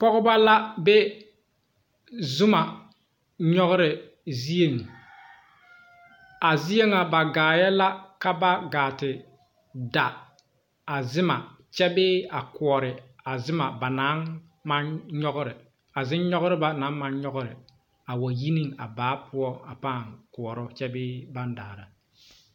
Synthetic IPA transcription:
pɔ˦ɣʊ˦ba˦la˦be˦ | zʊ˦ma˨ | ɲɔ˦ɣʊ˦ɾɪ˨ | zi˦e˨ŋ˨ | a˨zi˦je˦ŋa˨ba˨ɡaː˨jɛ˦la˦ka˦ba˦ɡaː˨tɪ˨ | da˨ | a˨zɪ˦ma˨ | t͡ʃɛ˦bɪː˦a˨kʊ˨ɔ˨ɾɪ˨a˨zɪ˦ma˨ba˨na˦n | ma˦nɲɔ˦ɣʊ˦ɾɪ˨ | a˨zɪ˦nɲɔ˦ɣʊ˦ɾɪ˦ba˦na˨˦nma˦nɲɔ˦ɣʊ˦ɾɪ˨ | a˨wa˨ji˦ni˦ŋa̰˨baː˨˦pʊ˦ɔ˦a˨paː˦˨ŋkʊ˨ɔ˨ɾɔ˦t͡ʃɛ˦bɪː˦ba˦nda̰ː˨ɾa˨

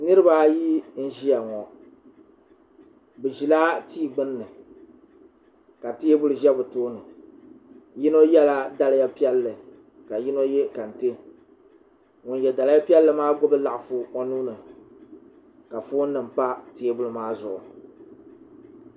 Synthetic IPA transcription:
nɨ˦ɾɨ˦ba˦ji˦n̩˦ʒi˦ja˨ŋɔ˨ | bɨ˨ʒi˨laː˦tiː˦˨ɡ͡bɨ˦nːɨ˨ | ka˨ti˦e˦bʊ˦lɨ˨ʒɛ˦bɨ˨toː˦nɨ˨ | ji˦no˦jɛ˦la˦da˨lɨ˦ja˦pi˦ɛ˦lːɨ˨ | ka˨ji˦no˦jɛ˦ka˨n˨tɨ˦ | ŋʊ˨n˨jɛ˨da˨la˦a˦pi˦ɛ˦lːɨ˨maː˦ɡʊ˦bɨ˦la˨ʔfʊ˦o˦nuː˦nɨ˨ | ka˨fuː˦nnːɨ˨m̩˨pa˦ti˦e˦bʊ˦lɨ˦maː˦zʊ˨ʔʊ̰˨

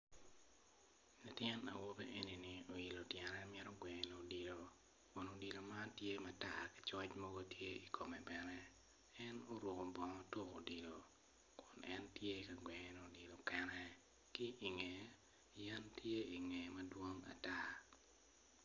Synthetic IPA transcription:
la˨tjɛ˦na̰˨wo˦be˦ʔe˦ni˨ni˨o˨i˨lo˨tjɛ˨nɛ˦mjɛ˦ɾo˦ɡwɛ˨ŋ˨no˨di˨lo˨ | kʊ˨no˨di˨lo˨ma˦tje˦ma˨ta˨ki̥˨t͡ʃɔ˦t͡ʃmɔ˦ɡo˦tje˦i˨kʰo˨mɛ˨bɛ˨nɛ˦ | ɛ˦no˦ɾwo˨ko˨bɔ˨ŋɔ˦to˦ko̰˨di˨lo˨ | kʊ˨nʔɛ˦ntje˦ka˨ɡwɛ˨ŋ˨no˨di˨lo˨kɛ˦nɛ˦ | kɪ˦ʔi˨ŋe˨ | jɛ˦ntje˦i˨ŋɛ˨mɐ˦dwo˦ŋa̰˨ta˦

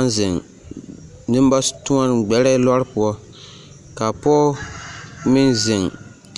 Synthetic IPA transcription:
n˦zɪ˨ŋ | nɨ˦m˦ba˦stu˦a˦n˨ɡ͡bɛ˨ɾɛ˦lɔ˦ɾɪ˦pʊ˦ɔ˦ | ka˨pɔ˦ | mɪ˦nzɪ˨ŋ

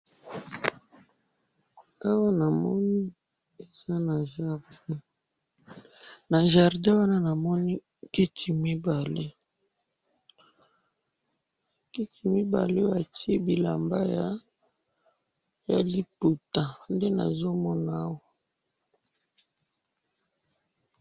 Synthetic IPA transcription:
a˦wa˦na˨mɔ˦ni˦ | e˨z̥a˦na˨ʒa˨ʁdɛ˦ | na˨ʒa˨ʁdɛ̃˦wa˦na˦na˨mɔ˦ni˦ | ki˦tʰi˨mi˦ba˨le˦ | ki˦ti˨mi˦ba̰˨le˦ba˨ti˦e˦bi˨la̰˨mba˦ja˦ | ja̰˨li˦pu˨ta˨nde˦na̰˨zo˦mɔ˦na˦a˦wa˨

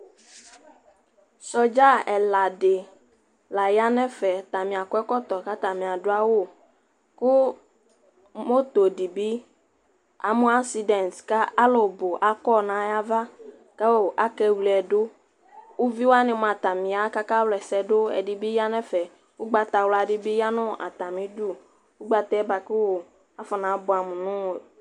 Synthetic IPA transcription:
sɔ˨d͡ʒa˦ɛ˨la˨ɖe˨ | la˨ja˦nɛ̃˦fɛ˨t̪a˨mĩ˨a˨kɔ˦ɛ˦kɔ˦t̪ɔ˨ka˦t̪a˨mĩ˨a˨ɖo˦a˦wo˦˨ | ko˦ | mo˦t̪o˨di˨bi˦ | a̰˨mõ˦a˦si˨dɛ˨nska˦a˦lo˨bo˨ʔa˦kɔ˦nã˨ja˦va˦ | ka˦wo˦ʔa˦kɛ˦wli˨ɛ˨do˦ | wo˦vi˦wo˦a˦nɪ̃˨m˨a˨t̪a˨mĩ˨a˨˦ka˦ka˦wlɛ˨sɛ˦do˦ɛ̰˨di˦bi˦ja˦nɛ̃˦fɛ˨ | wo˦ɡ͡ba˨t̪a˨wla˨ɖi˦bi˦ja˦nʊ̃˦ʔa̰˨t̪a˨mĩ˨du˦ | wu˦ɡ͡ba˨t̪ɛ˦ba˨ku˦wo˨ | a˦fɔ˨nã˨˦bʊ˨a˨mũ˨nʊ̃˦wo˨

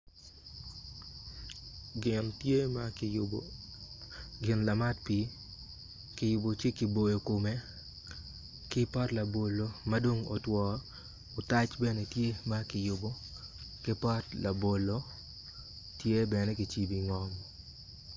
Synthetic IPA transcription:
ɡɪ˨nte˦ma˦ | ɡɪ˨nla˨ma˦tpi˦ | kɪ˨jʊ˨bo˨t͡ʃe˦kɪ˨bo˨jo˨ko˨me˦ | kɪ˦pɔ˦tla˨bo˨lo˦ma˦do˦ŋo˨twɔ˨ | o˨ta˦t͡ʃbɛ˦ne˨tje˦ma˦kɪ˨jʊ˨bo˦ | kɪ˦pɔ˦tla˨bo˨lo˦ | tje˦bɛ˨ne˦kɪ˨t͡ʃi˦bi˨ŋɔ˦m

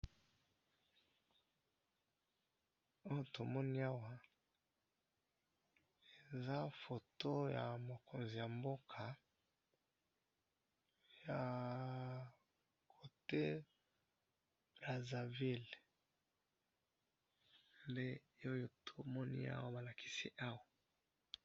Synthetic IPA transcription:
o˦jo˨to˨mɔ˦ni˦a˦wa˦ | e˨za˦fo˨to˦ja˨mo˨ko˨nzi˨ja˨mbo˦kʰa˨ | ja˨ | kʰo˨te˦ | b̥ʁa˨za˨vi˦l | mbe˦o˦jo˨tʰo˨mɔ˦nḭ˦a̰˦wa˦ba˨la˨kʰi̥˦si˦ʔa˦wa˨

